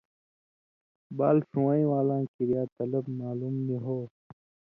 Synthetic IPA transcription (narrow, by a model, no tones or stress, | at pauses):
baːlsuwãːĩːwaːlãːkiɾjaːt̪ɐlɐbmaːlumniɦoː